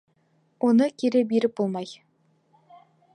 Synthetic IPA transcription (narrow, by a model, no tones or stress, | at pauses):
ʔonəkʲʰeɾebeɾɪp̚bolˠmɑj